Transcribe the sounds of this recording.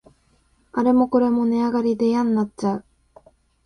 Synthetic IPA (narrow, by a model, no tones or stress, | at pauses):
aɾe̞mo̞ko̞ɾe̞mo̞ne̞aɡaɾʲid̪e̞jãnːatt͡ɕːaɯ̟